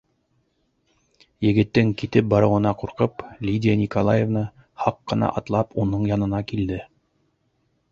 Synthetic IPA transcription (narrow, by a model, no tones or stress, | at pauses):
jɘ̆ɡɘ̆t̪ːɘŋkit̪ɘp̚bɑɾɤ̆wɤ̆nɑquɾqɤplʲidʲɪjənʲikolˠajevnɤ | hɑqːɤ̆nɑ̰ʔɑt̪lˠɑpunɤɴjɑnɤ̆nɑkild̪ɘ